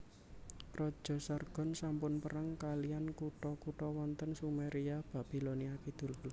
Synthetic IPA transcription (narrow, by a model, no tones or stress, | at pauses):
rɔd̥ʒ̥ɔ̤sarɡ̥ɔ̤nsampʊnpəɾaŋkalijankuʈɔkuʈɔwɔnt̪ənsumeɾiab̥a̤ʔb̥i̤loniakid̪̥ṳll